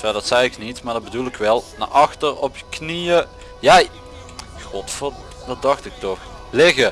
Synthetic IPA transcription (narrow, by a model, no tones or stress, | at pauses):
ʋɛdɑtsɛjɪknitmaːɹdɑdbədulˠɪkʋɛlˠna̰ʔɑxtərɔpjəknijə | jaj | xɔtfo | dɑt̚dɑxtɪk̚tɔx | lɪɣə